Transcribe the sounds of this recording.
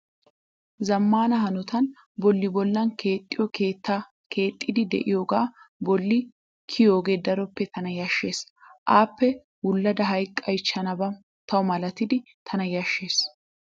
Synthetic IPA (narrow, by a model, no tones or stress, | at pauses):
zɐmːaːnɐhɐnʊt̪ɐn | bɔlːɪbɔlːɐnkeːt̪ʼːɪjɔkeːt̪ːa | kʰe̞ːt̪ʼːɪd̪ɪd̪ɛ̰ʔɪjoːɡaːbɔlːɪ | kʰɪjoːɡe̞ːd̪ɐɾɔpːɛt̪ɐnɐjɐʃːe̞ːsʔaːpːɛ | wʊlːɐd̪ɐɦɐjkʼːɐjt͡ʃːɐnɐbɐ | t̪ɐwʊmɐlɐt̪ɪd̪ɪ | t̪ʰɐnɐjɐʃːe̞ːs